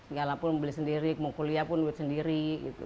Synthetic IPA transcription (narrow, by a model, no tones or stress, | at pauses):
səɡalapʊnmbəlɪsəndiɾikmɔkɔliapʊnduɛt̪səndiɾiɡḭṵ